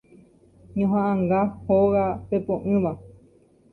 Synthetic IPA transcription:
ɲõɦãʔãŋɡahoɣapepõʔɨ̃βa

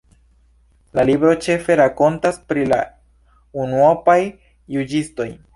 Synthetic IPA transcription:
lalibɾo̞t͡ʃe̞fe̞ɾako̞ntaspɾila̰ | unuopajː | ud͡ʒisto̞j

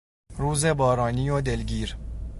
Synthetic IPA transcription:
ɾuːzebɒːɾɒːniːjod̪e̞lɡiːɾ

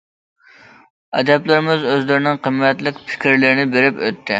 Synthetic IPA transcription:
ɛ̰d̪ɛplˠɪɾɪmɪzøzlɪɾɪnɪŋqʰəmːɛt̪lɪkʲpʰɪ̥kʲɾlɪɾɪnɪbeɾɪpø̰t̪ʰːɪ

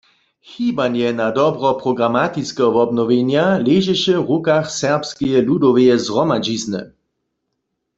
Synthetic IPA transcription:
xibanjɛnadɔbʁɔpʁɔɡʁamat̪it͡skɛɔvɔbnɔʋenjaleʒɛʃɛvʁukaxsɛʁpskɛjɛludɔʋɛjɛzʁɔmad͡ʒiznɛ̰

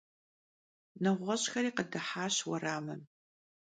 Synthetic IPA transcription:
nɐʁʷɔɕxɐɾiːqədɐħaːɕwɐraːmɨm

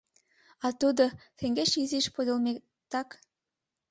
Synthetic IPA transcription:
ɑt̪ud̪ɤ̆xĕŋɡeʃiziʃpod̪ɤ̆lˠme | t̪ɑk

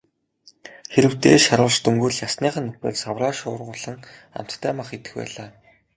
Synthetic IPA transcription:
xeɾɘ̆wt̪eːʃaɾʊːɮt͡ɕt̪ɵŋɡŭːrɮjasniːχə̆nːɵpḛːɮsawraːʃʊːrʁʊːɮə̆ŋ | a̰m̥t̪ːʰæːmaχet̪ɘ̥̆xpæ̰ːɮaː

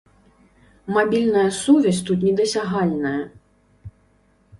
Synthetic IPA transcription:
mabʲilʲnɐjɐsuvʲɐsʲt̪ut̪̬nʲɛd̪ɐsʲaɦalʲnɐjɐ

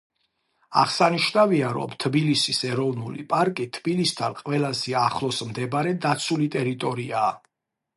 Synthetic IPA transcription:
a̰ʁsaniʃnaviaɾɔ̰mt̪ʰbilisisɛɾɔvnulḭpʼaɾkʼit̪ʰbilist̪ʰanqʼwɛlazɛaχlˠɔsmd̪ɛbɾɛd̪at̪sʰulit̪ʼɛɾit̪ʼɔɾiaː

